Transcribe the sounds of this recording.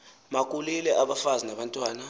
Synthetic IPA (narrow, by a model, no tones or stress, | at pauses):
mak̬ʼulilɛʔaɓafazinaɓantʼwaːna